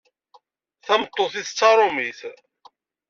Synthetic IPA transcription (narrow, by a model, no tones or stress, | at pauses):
θæmət̪ˤːoθiθət͡sːɑɾˤomiθ